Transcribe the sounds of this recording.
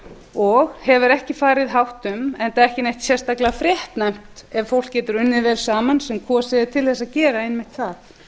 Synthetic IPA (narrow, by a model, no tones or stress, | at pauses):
ɔɣhɛvʏɾɛhcɪfaːɾɪðɦawht̪ʏmɛnt̪aɛhcɪnejht̪sjɛrst̪aklafɾjɛht̪najm̥t̪ɛvfowl̥kcɛːt̪ʏɾʏnːɪvɛːlsaːmansɛmkʰvɔsɪðɪt̪ʰɪlθɛsaðcɛːɾaɪnmɪht̪θaθ